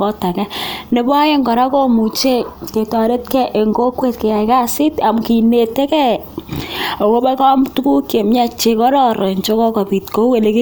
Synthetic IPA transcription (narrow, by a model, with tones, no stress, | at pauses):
ɔ˦ta˨kɛ˦ne˨ba˦je˦ŋɡɔ˨ɾa˦ko˦mu˨t͡ʃe˦ke˨tɔ˨ɾe˦tkɛ˦ʔe˨ŋɡo˦kwe˦tke˨ja˨jka˦sɪ˦ta˨mki˨ne˨te˦kɛ˦ | o˨ko˦bɛ˦ka˦mtu˦ku˦kje˨mɲa˦t͡ʃe˨kɔ˦ɾɔ˦ɾo˨ɲt͡ʃo˦kɔ˦ka˨pi˨tko˦ke˨le˦ki˦